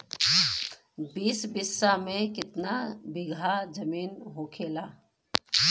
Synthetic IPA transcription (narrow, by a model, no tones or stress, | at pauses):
biːsbɪsːamẽkɪt̪nabɪɡʱad͡ʒɐmiːnɦoːkʰeːlaː